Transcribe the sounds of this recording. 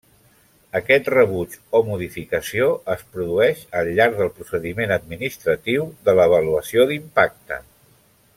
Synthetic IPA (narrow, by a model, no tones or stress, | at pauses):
əkɛt̪rəβut͡ʃomuðifikəsioəspɾuðuɛʃəlʎːaɾɡ̚ðəlˠpɾusəðimenəd̪̚minist̪ɾət̪iwðələβəluəsioðimpak̚t̪ə̰